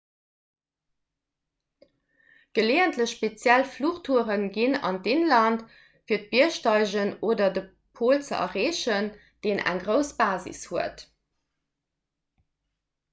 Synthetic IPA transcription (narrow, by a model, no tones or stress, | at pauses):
ɡ̥əleːəntləɕʃpet͡sjælfluːʁtʰuəʁənɡinɑ̰ndeːnlɑnt | fiːɐt̚b̥iəʃtɑɪʑənoːdɐdə | pʰoːlt͡sə̰ʔɐ̰ʁeːʃən | d̥eːnʔæ̰ŋɡʁəʊsb̥aːzḭshuət